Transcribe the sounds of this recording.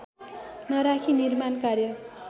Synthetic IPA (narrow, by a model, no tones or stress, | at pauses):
nʌɾakʰinirmankarjʌ